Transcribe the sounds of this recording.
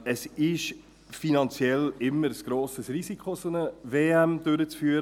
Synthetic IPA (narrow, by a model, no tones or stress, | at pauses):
əsɪʃ | finɑnt͡sjɛlɪmːəɾsɡ̥ɾoːsəsrisikχosonəveːæmd̪̥ʏɾət͡sfyːəɾ